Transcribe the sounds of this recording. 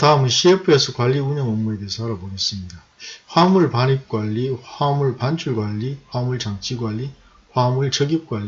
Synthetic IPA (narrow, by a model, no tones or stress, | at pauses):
taɯmɯnɕʰiepʰɯe̞sʰʌkwaʎːiuɲʌŋʌmːue̞deesʰʌaɾaboɡes͈ɯmɲida | ɸwamuɭpanip̚k͈waʎːihamuɭpant͡ɕʰuɭɡwaʎːiɸwamuɭt͡ɕaŋt͡ɕʰiɡwaʎːi | ɸwamuɭt͡ɕʌɡip̚k͈waʎːi